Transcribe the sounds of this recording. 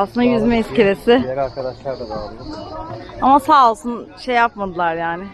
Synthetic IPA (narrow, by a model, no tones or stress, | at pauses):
slɯnd̪ajyzmɛiscʰeɾesɪaɾkad̪aʃˠaɾd̪abɾ | amasaːolˠsunʃe̞jːapmad̪ɯlˠaɾjaːnɪ